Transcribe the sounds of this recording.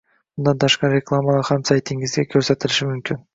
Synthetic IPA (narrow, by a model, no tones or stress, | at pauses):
mʊnd̪ɑnt̪ʰɑʃqɑɾɾʲeklˠamɑlˠɑɾhɑmsajt̪ʰːiŋɡɪzɡʲekʲʰɵɾse̞t̪ɪlɪʃɪmʏmkʲɪn